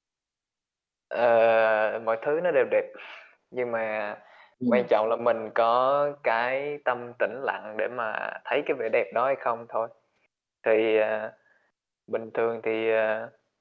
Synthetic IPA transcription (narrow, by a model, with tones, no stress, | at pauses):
ʔəː˨˩mɔ̰˧˨jt̪ʰɨ˨˦nɔ˨˦ɗe˨˩wɗɛ˨˩p̚ | ɲɨ˧ŋmaː˨˩ | kwa˧nt͡ɕɔ̰˧˨wŋ͡mlaː˨˩mï˨˩ŋ̟kɔ˨˦kaː˨˦jt̪ə˧mt̪ï˧˩ŋ̟la̰˧˨ŋɗe˧˩maː˨˩t̪ʰə˨˦jkaː˨˦jvḛ˧˩ɗɛ˨˩p̚ɗɔ˨˦ha˧˩jxə˧wŋ͡mt̪ʰo˧j | t̪ʰi˨˩ʔəː˨˩ | ɓï˨˩ŋ̟t̪ʰɨ˨˩əŋt̪ʰi˨˩ʔəː˨˩